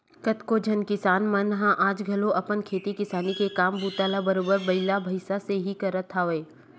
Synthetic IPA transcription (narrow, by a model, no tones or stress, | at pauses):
kɐt̪kod͡ʒʱɐnkɪsaːnmãnɐɦãʔaːd͡ʒɡʱɐloʔɐpənkʰeːt̪ikɪsaːnikekaːmbuːt̪aːlabɐɾoːbəɾbɐɪlabʱɐɪsaseɦikɐɾət̪ʰːaʋeː